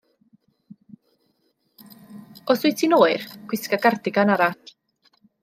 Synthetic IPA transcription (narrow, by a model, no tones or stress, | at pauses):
ɔsuːjtʰinoːɨrkwɪskaɡardɪɡanaɾat